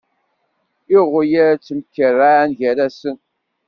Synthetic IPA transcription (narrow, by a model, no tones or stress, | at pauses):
ɪʁʊjaɾt͡sːəmkːərːanʝæɾæsən